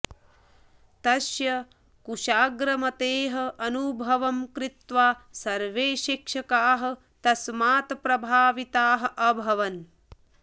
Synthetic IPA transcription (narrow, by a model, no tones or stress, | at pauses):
t̪ɐʃjɐ | kuʃaːɡɾɐmɐt̪eːɦɐʔɐnubʱɐʋɐmkɾit̪ʋaːsɐɾʋeːʃikʂɐkaːɦɐ̆ | t̪ɐsmaːt̪pɾɐbʱaːʋit̪aːɦɐ̆ʔɐbʱɐʋɐn